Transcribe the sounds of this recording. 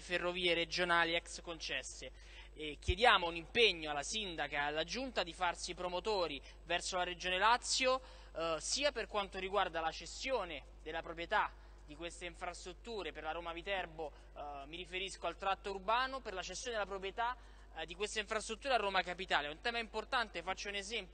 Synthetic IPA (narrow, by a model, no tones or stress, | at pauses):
ferːoviːeɾed͡ʒonaːliɛkskont͡ʃɛsːe | k̟jed̪jaːmounimpeɲːoalːasind̪akaalːad͡ʒunt̪ad̪ifarsipɾomot̪oːɾi | vɛrsolaɾed͡ʒoːnelat̪sːjo | siːaperkwant̪oɾiɡward̪alat͡ʃesjoːne | d̪elːapɾopɾjet̪a | d̪̥ikwest̪eiɱfɾast̪ɾut̪ːuːɾeperlaɾoːmavit̪ɛrbo | miɾifeɾiskoalt̪ɾat̪ːourbaːnoperlat͡ʃest̪ːjoːned̪elapɾopɾjet̪a | d̪ikwest̪eiɱfɾast̪ɾut̪ːuːɾearːoːmakapit̪aːleɛunt̪ɛːmaimport̪ant̪efat͡ʃːounezɛmpj